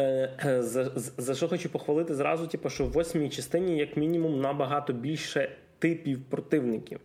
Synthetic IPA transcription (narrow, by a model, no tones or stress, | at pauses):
zɐzɐʃɔxɔt͡ʃupɔxʋɐlˠɪt̪ɪzɾɑ̰zʊtʲipɔʃt͡ʃɔwːɔsʲmʲijt͡ʃɐst̪ɪnʲijɐkmʲinʲimumnɐbɐɦɑt̪ɔbʲilʲʃɛ | t̪ɪpʲiwpɾɔt̪ɪwnɪkʲiw